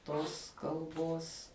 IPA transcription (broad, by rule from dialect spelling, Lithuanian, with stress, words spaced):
ˈtoːs kɐlˠˈboːs